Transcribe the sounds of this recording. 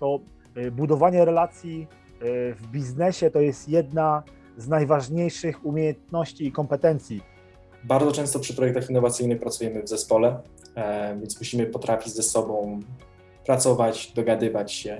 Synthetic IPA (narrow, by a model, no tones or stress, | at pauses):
t̪ɔ | bud̪ɔvaɲɛɾɛlat̪sʲji | vbʲiznɛɕɛt̪ɔjɛst̪jɛd̪na | znajvaʐɲejʂɘxumʲjejɛnt̪nɔɕt͡ɕiːkɔmpɛt̪ɛnt̪sʲji | baɾd̪zɔt͡ʂɛ̃w̃st̪ɔpʂɘpɾɔjɛk̚t̪axinːɔvat̪sɘjnɘxpɾat̪sujɛmɘvzɛspɔlɛ | vʲjɛnsmuɕimɘpɔt̪ɾʔafʲid͡ʑzɛsɔbɔ̃w̃ | pɾat̪sɔvat͡ɕd̪ɔɡad̪ɘvat͡ɕɕɛ